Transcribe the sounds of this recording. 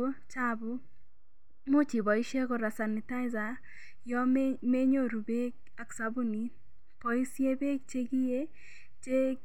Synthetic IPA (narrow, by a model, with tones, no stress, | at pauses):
o˦t͡ʃa˦bʊ˦ | mʊ˦t͡ʃi˨bɔ˨i˦ʃe˦kɔ˨ɾa˨sa˨nɪ˨ta˦ɪ˦za˨ | jɔ˦mme˦ɲo˦ɾu˨be˦k̚ | a˨ksa˦bu˦ni˨ | pɔ˨i˦si˦e˦be˦kt͡ʃe˦ɡi˦je˦ | t͡ʃe˦